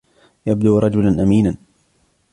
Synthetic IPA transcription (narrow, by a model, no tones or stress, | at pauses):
jabd̪uːɾˤɑd͡ʒʊlanʔamiːnan